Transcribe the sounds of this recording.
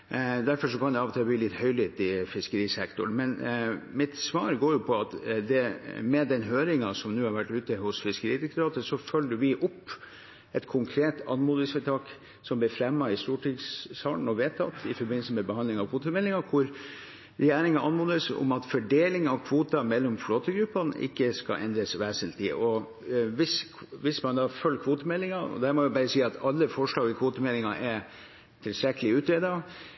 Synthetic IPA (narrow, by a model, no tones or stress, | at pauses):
d̪æɾfɔʂɔkʰɑnd̪ɛɑːʋt̪ʰɑːbliːlɪt̪hœʏlit̪ɪfɪskəɾiːsɛkt̪ʊɳmɛnmɪt̪sʋɑːɾɡoːjʊpʰɔɑt̪d̪ɛmɛd̪ɛnɦøːɾɪŋɑsɔmnʉːhɑɾʋæʈːʉːt̪əhʊsfɪskəɾiːd̪ɛkt̪ʊɾɑːt̪əsɔfœlːəʋɪʔɔpː | ɛt̪kʰʊŋkʰɾeːt̪ɑ̰nmuːd̪əsfɛt̪ʰɑːk | sɔmblɪfɾɛmːɑɪst̪uːʈʰɪɡsɑːn̩ɔʋeːt̪ʰɑ̰t̪ːɪfɔɾbɪnləsəmɛbəhɑnd̪ɪŋɑʋkʰʋoːt̪əmɛlːɪŋɑkʰʊɾ | ɾɛjæːɾɪŋɑʔɑnmuːd̪əsʊ̰mɑt̪fɔɖeːlɪŋɑʋkʰʋuːt̪ɑmɛlːɔmfloːt̪əɡɾʉpːɑnʔɪ̰kːəskɑ̰ʔɛ̰nd̪ɾəsʋæːsənt̪ʰɪ̰ʔɔ | ʋɪs | ʋɪsmɑnd̪ɑːfœlːkʰʋoːt̪əmɛlːɪŋɑɔ̰d̪æːɾmɔʋʊbɑːɾəsiːɑt̪ʰɑlːəfɔʂɭɑːɡɪkʰʋoːt̪əmɛlːɪŋɑ̰ʔɛɾ | t̪ʰɪlst̪ɾɛkːəlɪʉːt̪ɾeːd̪ɑ